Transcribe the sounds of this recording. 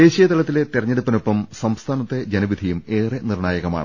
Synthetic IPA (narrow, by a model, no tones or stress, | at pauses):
d̪e̞ːɕijɐt̪ɐɭɐt̪ːile̞t̪irɐɲːeɽupːɐno̞pːɐmsɐmst̪ʰaːnɐt̪ːe̞d͡ʑɐnɐʋid̪ʱijume̞ːrenirɳaːjɐɣɐma̰ːɳɨ